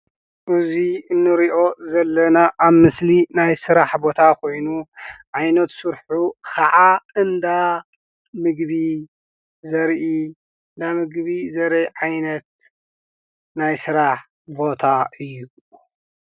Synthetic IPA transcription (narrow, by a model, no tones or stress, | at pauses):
ʔɨziɨnːɨɾiʔo̞zɐlːɐnaʔaβmɨslinajsɨɾaħbo̞t̪ʰakʰo̞jnuʕajnɐt̪sɨɾħukʰaʕaɨnd̪a | mɨɡbi | zɐɾʔi | ɨnd̪amɨɡβizɐɾjʕajnɐt̪̚ | najsɨɾaħ | bo̞t̪ʰaɨjːu